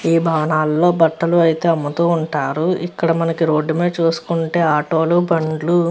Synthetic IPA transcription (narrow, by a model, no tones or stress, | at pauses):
iːbʱaːʋɐnaːlːo̞ːbɐʈːɐluɐjt̪e̞ːɐmːɐt̪uːuɳʈaːɾuikːɐɽɐmɐnɐkiɾo̞ːɖːume̞ːt͡ʃuːsu̥kuɳʈe̞ːaːʈo̞ːlubɐɳɖlu